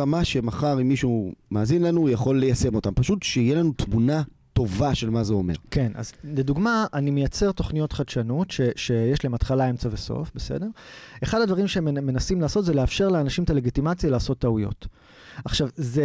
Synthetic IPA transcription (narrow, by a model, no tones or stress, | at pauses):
amaʃe̞maχaʁimːiʃumaːzinlanujaχo̞lːejase̞mo̞tampaʃutʃeijelanut̪muna | t̪o̞vaʃe̞lmazeo̞me̞̰ʁke̞nʔa̰zleduɡmaʔːnimejat͡se̞ʁto̞χnijo̞tχadʃanutʃe̞ʃe̞jeʃlaemat̪χalae̞mt͡saveso̞̰fbe̞sḛde̞ʁe̞χadadvaʁimʃeemmːe̞nasimlaːso̞tzeleafʃe̞ʁleanaʃimtale̞ɡitimat͡sjalaːso̞t̪ːaujo̞̰t | aχʃavze